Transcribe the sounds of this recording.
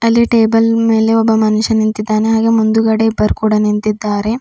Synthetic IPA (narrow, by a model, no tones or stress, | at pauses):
ɐlːiʈeːbɐlme̞ːle̞ɔbːɐmɐnuʃɐnint̪id̪ːaːneɦaːɡe̞mund̪uɡɐɽeibːɐɾkuːɽɐnint̪id̪ːaːɾe̞